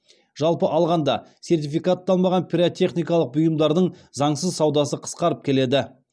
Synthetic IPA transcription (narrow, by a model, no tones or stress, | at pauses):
ʒ̥ɑlˠpəʔɑlˠʁɑnd̪ɑse̞rt̪ifijkat̪ːɑlˠmɑʁɑnpʲʰiɾot̪ʰʲe̞χnijkɑlˠəq̚bʊjəmd̪ɑɾd̪əɴ | zɑɴsəzsɑwd̪ɑsəqʰə̥sqɑɾəp̚kʲʰe̞le̞d̪ɪ